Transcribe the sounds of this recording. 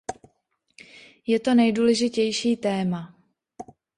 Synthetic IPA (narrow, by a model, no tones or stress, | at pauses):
jɛt̪o̞nɛjduːlɛʒɪcɛjʃiːt̪ɛːma